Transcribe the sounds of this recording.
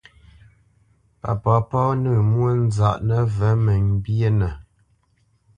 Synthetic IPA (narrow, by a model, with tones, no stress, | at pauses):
pa̰˨pɔ˨˦pɔ˦nə˦˨mwə˦n̩˦za˨ʔnə˦və˨˦mə˨m˦bjə˦nə˨